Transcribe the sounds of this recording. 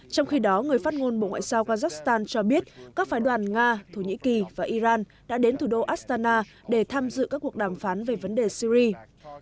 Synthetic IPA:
t͡ɕɔ˧wŋ͡mxi˧ɗɔ˨˦ŋɨ˨˩əjfaː˦˥t̚ŋo˧nɓo̰˧˨ŋwa̰ː˧˨jzaː˧wkaː˧zaː˦˥k̚st̪aː˧nt͡ɕɔ˧ɓi˦˥ət̚kaː˦˥k̚faː˨˦jɗwaː˨˩nŋaː˧t̪ʰo˧˩ɲḭ˧˥ki˨˩vaː˨˩ʔi˧zaː˧n | ɗa̰ː˧˥ɗe˨˦nt̪ʰu˧˩ɗo˧ʔaː˦˥st̪aː˧naː˧ | ɗe˧˩t̪ʰaː˧mzɨ̰˧˨kaː˦˥kːu˨˩ək̚ɗaː˧˩mfaː˨˦nve˨˩və˨˦nɗe˨˩si˧ɾi˧

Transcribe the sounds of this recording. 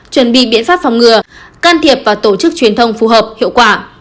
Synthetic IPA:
t͡ɕwə˧˩nɓḭ˧˨ɓḭ˧˥ənfaː˦˥p̚fa˨˧˩wŋ͡mŋɨ˨˩əkaː˧nt̪ʰi˨˩əp̚vaː˨˩t̪o˧˩t͡ɕɨ˦˥k̚t͡ɕwi˨˩ənt̪ʰə˧wŋ͡mfu˨˩ɦəː˨˩p̚hḭ˧˨əwkwaː˧˩

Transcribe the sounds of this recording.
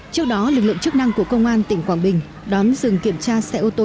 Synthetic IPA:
t͡ɕɨ˦˥ək̚ɗɔ˨˦lɨ˨˩k̚lɨ̰˧˨ŋt͡ɕɨ˦˥k̚na˧ŋku˧˩əkə˧wŋ͡mʔaː˧nt̪ï˧˩ŋ̟kwaː˧˩nɓï˨˩ŋ̟ | ɗɔ˨˦nzɨ˨˩ŋki˧˩əmt͡ɕaː˧sɛ˧ʔo˧t̪o˧

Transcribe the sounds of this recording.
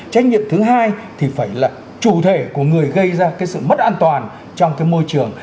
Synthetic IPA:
t͡ɕa˦˥k̚ɲḭ˧˨əmt̪ʰɨ˨˦ɦaː˧jt̪ʰi˨˩faː˧˩jlaː˨˩ | t͡ɕu˧˩t̪ʰe˧˩ku˧˩əŋɨ˨˩əjɣə˧jzaː˧kaː˨˦jsɨ̰˧˨mə˦˥t̚ʔaː˧nt̪waː˨˩n | t͡ɕɔ˧wŋ͡mkaː˨˦jmo˧jt͡ɕɨ˨˩əŋ

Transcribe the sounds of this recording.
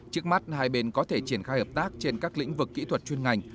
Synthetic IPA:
t͡ɕɨ˦˥ək̚ma˦˥t̚haː˧jɓe˧nkɔ˨˦t̪ʰe˧˩t͡ɕi˧˩ənxaː˧jhəː˨˩p̚t̪aː˦˥k̚t͡ɕe˧nkaː˦˥k̚lḭ˧˥ŋ̟vɨ˨˩kːḭ˧˥t̪ʰwə˨˩t̚t͡ɕwi˧ənŋa˨˩jŋ̟

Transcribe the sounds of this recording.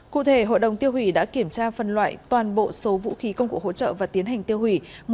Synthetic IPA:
kṵ˧˨t̪ʰe˧˩ɦo̰˧˨jɗə˨˩wŋ͡mt̪i˧əwhwi˧˩ɗa̰ː˧˥ki˧˩əmt͡ɕaː˧fə˨˩nlwa̰ː˧˨jt̪waː˨˩nɓo̰˧˨so˨˦vṵ˧˥xi˨˦kə˧wŋ͡mku˧˩k̚ho̰˧˥t͡ɕə̰ː˧˨vaː˨˩t̪i˨˦ənɦa˨˩jŋ̟t̪i˧əwhi˧˩m

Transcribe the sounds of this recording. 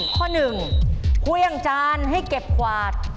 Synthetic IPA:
kʰɔː˥˩nɯ˨˩ŋkʰuː˧˥jʔa˧ŋt͡ɕaː˧nɦa˥˩jke˨˩p̚kʰwaː˨˩t̪̚

